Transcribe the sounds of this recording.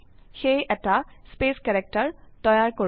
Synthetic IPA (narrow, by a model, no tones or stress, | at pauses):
xejɛtaspeskɛɹɛk̚taɹtɔjaɹko